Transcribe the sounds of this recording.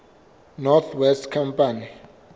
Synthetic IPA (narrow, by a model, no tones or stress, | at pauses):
nɔt̪ʰwɛstkʰampani